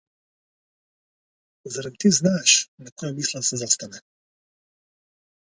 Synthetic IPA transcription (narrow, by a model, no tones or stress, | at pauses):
zaɾad̪̚t̪iznaːʃnakɔjɛmiːslˠɛd̪asɛzast̪anɛ